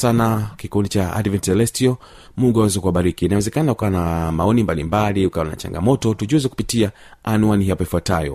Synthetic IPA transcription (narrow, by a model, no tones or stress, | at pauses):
sanakikundit͡ʃaa̰dvɛntsɛlɛstiɔ | muɡuawɛzɛkuaɓaɾikinawɛzɛkanakukawanamaɔnimbalimbaliukawana̰t͡ʃa̰ŋɡa̰mɔtɔtuʄuzɛku̥pitia | anuaniɦapɔifuatajɔ̰